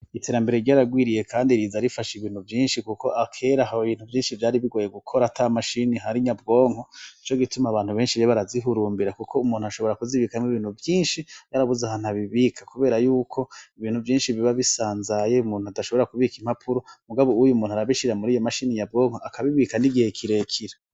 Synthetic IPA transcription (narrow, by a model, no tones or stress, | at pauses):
itʰe̞ːɾambe̞ɾeɾɟaːɾaɡwiːɾije̞kʰaːndiɾizaɾifaʃiβiːn̥uvjiːnʃikukʰo̞ʔakʰe̞ɾahoiβiːn̥huvjiːnʃivjaːɾiβiɡo̞ːje̞ɡukʰo̞ɾatʰamaʃiniɦaɾiɲab̚ɡo̞ːŋho̞it͡ʃoɡitumaβaːn̥huβe̞ːnʃiβeβaɾaziɦuɾuːmbiɾakukʰo̞umuːn̥uaʃo̞βo̞ɾakuziβikamiβiːnhuvjiːnʃijaɾaβuzahan̥aβiβiːkʰḁkuβeːɾajuːkʰo̞iβiːn̥huvjiːnʃiβiβaβisaːnzajeumuːnhuataʃo̞βoɾakuβikim̥hapʰuɾo̞muɡaβoujumuːnuaɾaβiʃiɾamuɾiːjomaʃiniɲab̚ɡo̞ːŋhoʔakʰaβiβikaniɡihekʰiɾe̞kʰiɾa